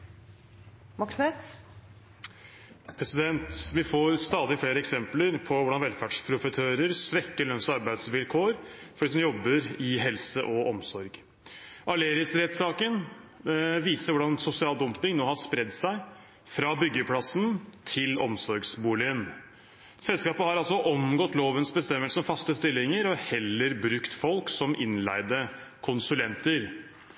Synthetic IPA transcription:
mɑksmes | pʰɾɛsɪd̪ɛnt̪ʋɪfoːɾst̪ɑːd̪ɪfleːɾəɛksɛmpləɾpʰɔʋʊɖɑnʋɛlfæɖʂpʰɾʊfət̪ʰøːɾəɾsʋɛkːəɭœnsɔɑɾbæɪd̪sʋɪlkʰoːɾfɔɖiːs̬ɔmjɔbːəɾɪɦɛlsəʔɔʔɔmsɔɾɡ | ʔɑɭeːɾɪəsɾɛt̪sɑːkən | ʋiːsəɾʋʊɖɑnsʊsɪɑːld̪ɔmpɪŋnoːhɑʂpɾɛd̪ːsæɪ | fɾɑːbʏɡːəpʰlɑsnt̪ʰɪlɔ̰msɔɾɡsbuːlɪən | sɛlskɑːpəhɑɾɑlsɔʔɔmɡɔt̪ːloːʋənsbəst̪ɛmːəlsəɔmfɑst̪əst̪ɪlːɪŋəɾɔhɛlːəɾbɾʉkt̪fɔlksɔmʔɪnlæ̰ɪd̪əkʰʊnsʉlɛnt̪əɾ

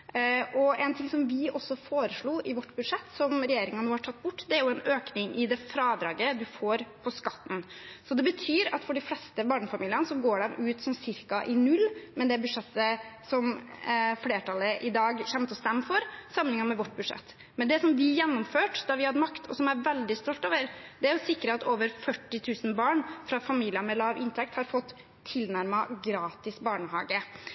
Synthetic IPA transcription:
ʔɔɛnt̪ʰɪŋsɔmʋɪʔɔsːɔfoːɾəʂɭuːʔɪʋɔʈːbʉd̪ʂɛt̪ːsɔmɾɛjeːɾɪŋɑnnuːhɑʈʰɑt̪ːbʊʈːd̪ɛæɾjʊɛnøːknɪŋʔɪd̪ɛfɾɑːd̪ɾɑːɡəd̪ʉfoːɾpʰɔskɑt̪ːn̩sɔd̪ɛbət̪ʰyːɾɑt̪fɔɖɪflɛst̪əbɑːɳəfɑmiːlɪənəsɔɡoːɖɛmʉːt̪sɔmsɪɾkɑʔɪnʉlːmɛnd̪ɛbʉd̪ʂɛt̪ːəsɔm | fleːʈʰɑləʔɪd̪ɑːɡçɛmt̪ɔst̪ɛmːfɔɾsɑmnɪŋɑmɛʋɔʈ̚ːbʉd̪ʂɛ̰t̪ː | mɛnd̪ɛsɔmʋɪjɛnːʊmføːʈd̪ɑʋɪhɑd̪əmɑkt̪ʰɔ̰sɔmæɾʋɛld̪ɪst̪ɔlt̪oːʋəɾd̪ɛæɾjʊsɪkːɾəɑt̪oːʋəɾfœʈːɪt̪ʰʉːsən̩bɑːɳfɾɑfɑmiːlɪəmɛlɑːʋʔɪ̰nt̪ʰɛk̚t̪hɑɾfɔt̪ʰː | ɪlnæɾmɑɡɾɑːt̪ɪsbɑːɳəhɑ̰ːɡə

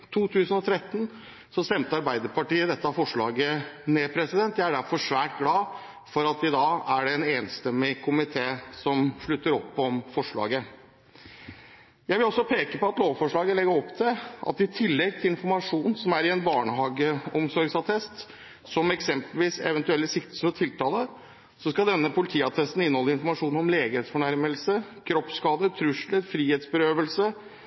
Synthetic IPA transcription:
t̪ʰuːt̪ʰʉːsən̩ɔt̪ʰɾɛt̪ːn | sɔst̪ɛmt̪əɑɾbæɪd̪əɾpɑʈiːəd̪ɛt̪ːəɑfɔʂɭɑ̰ːɡəneːpʰɾɛsɪd̪ɛnt̪jæɪæɖæɾfɔʂʋæːʈ̚ɡlɑː | fɔɾɑt̪ɪd̪ɑːæɖɛɛneːnst̪ɛmːɪkʰʊmɪt̪ʰeːsɔmʂɭʉt̪ːəɾɔpːɔmfɔʂɭɑ̰ːɡə | jæɪʋɪlɔsːɔpʰeːkəpɔɑt̪loːʋfɔʂɭɑːɡəlɛɡəɾɔpːt̪ʰɪlʔɑ̰t̪ɪt̪ʰɪlːɛɡ̚t̪ʰɪlɪnfɔɾmɑʂuːnn̩sɔmæɾɪɛnbɑːɳəhɑːɡəɔmsɔɾɡsɑt̪ʰɛst̪ | sɔmɛksɛmpəlʋiːsɛ̰ʋɛnt̪ʉɛlːəsɪkt̪ə̥səɾɔt̪ʰɪlt̪ʰɑːlə | sɔskɑd̪ɛnːəpʰʊlɪt̪ʰiːɑt̪ʰɛst̪n̩ɪnːhɔlːəɪnfɔɾmɑʂuːnɔmleːɡəɾeːt̪sfɔɳæɾməlsəkʰɾɔpskɑːd̪ət̪ʰɾʉʂləfɾiːheːt̪sbəɾøːʋəlsə

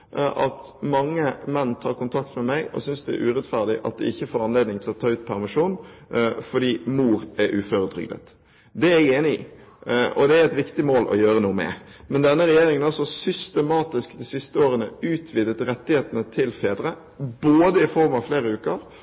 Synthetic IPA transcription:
ʔɑ̰t̪ | mɑŋːəmɛnːt̪ʰɑːɾkʊnt̪ʰɑkt̪mɛmæɪɔ̰sʏnsd̪ɛæ̰ɾʉːɾɛt̪fæʁd̪ɪʔɑ̰t̪̚d̪ɛ̰ɪçːəfoːɾɑnleːd̪nɪŋt̪ʰɪlɔt̪ʰɑːʉːt̪̚pʰæɾmɑʂuːnfɔɖ̪iːmuːɾæɾʔʉːføɾəd̪ɾʏ̰ɡd̪ə̰t̪ | d̪ɛæɡeːnɪḭ | ɔ̰d̪ɛæɾɛt̪ʋɪkt̪ɪmoːlʔɔ̰jøːɾənuːəmɛ̰mɛnd̪ɛnːəɾɛjeːɾɪŋənɑlsɔsʏst̪əmɑːt̪ɪskd̪isɪst̪əoːɾənəʉːt̪ʰʋɪd̪ət̪ɾɛt̪ːɪheːt̪ənət̪ʰɪlfeːd̪ɾə | boːd̪əɪfɔɾmɑʋfleːɾəʉːkəɾ

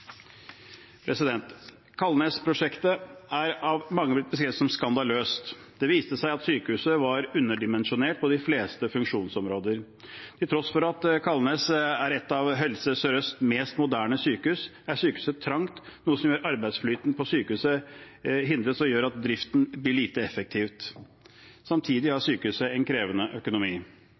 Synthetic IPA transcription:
pʰɾɛsɪd̪ɛnt̪ | kʰɑlneːspʰɾʊʂɛkt̪əæɾɑʋmɑŋːəblɪt̪̚bəskɾeːʋəsɔmskɑnd̪ɑløːst̪ | d̪̥ɛʋiːst̪əsæɪɑt̪syːkəʉːsəʋɑɾʉnːəɖɪmɛnʂʊneːʈ̚pʰɔd̪ɪfleːst̪əfʉŋkʂuːnsɔmɾoːd̪əɾ | t̪ʰɪlt̪ʰɾɔsfɔɾɑt̪kʰɑlneːsæɾɛt̪ːɑʋɦɛlsəsœɾœst̪meːst̪mʊd̪æːɳəsyːkəʉs | æɾsyːkəʉːsət̪ʰɾɑŋt̪nuːəsɔmjøːɾɑɾbæɪd̪sflyːt̪n̩pʰɔsyːkəʉːsə | ɦɪnd̪ɾət̪sɔjøːɾɑt̪̚d̪ɾɪft̪n̩blɪɭiːt̪əɛfək̚t̪ʰiːʋt̪ | sɑmt̪ʰiːd̪ɪhɑsyːkəʉːsəɛnkʰɾeːʋənəʔœkʊnʊmiː

